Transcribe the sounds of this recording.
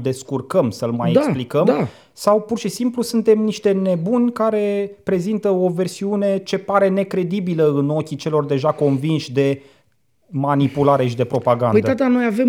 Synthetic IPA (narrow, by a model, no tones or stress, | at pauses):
d̪e̞skurkəmsəlmajekasplikəma | sawpurʃisimplusunt̪e̞mniʃt̪e̞ne̞bunʲkaɾe̞pɾe̞zint̪əo̞ve̞rsiune̞t͡ʃe̞paɾe̞ne̞kɾe̞d̪ibiləɨno̞kʲit͡ʃe̞lo̞rd̪e̞ʒako̞nvinʃʲd̪e̞ | manipulaɾe̞ʃid̪e̞pɾo̞paɡanujd̪əat̪ano̞javem